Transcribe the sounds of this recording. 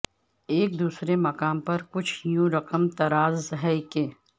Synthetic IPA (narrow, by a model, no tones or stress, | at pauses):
eːk̚d̪uːsɾemɐkaːmpɐɾkʊt͡ʃʰjũɾɐqəmt̪ɐɾaːzɦɛkeː